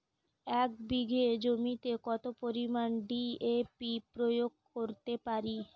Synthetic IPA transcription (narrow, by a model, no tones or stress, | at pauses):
ɛk̚biɡʱed͡ʑomit̪ekɔt̪opoɾimanɖiepipɾojoɡ̚koɾt̪epaɾi